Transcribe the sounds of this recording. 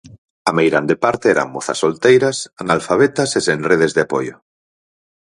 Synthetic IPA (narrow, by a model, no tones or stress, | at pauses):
amejɾand̪epaɾt̪eɛɾa̰mmoθa̰solt̪ejɾasanalfaβ̞et̪asesenreð̞ezðeapojo